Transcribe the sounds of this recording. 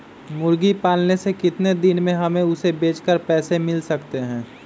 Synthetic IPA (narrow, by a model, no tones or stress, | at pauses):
mʊɾɡipaːlnesekɪt̪ned̪ɪnmẽɦɐmẽʊsebeːt͡ʃkəɾpɛːsemɪlsɐkt̪eɦɛ̃ː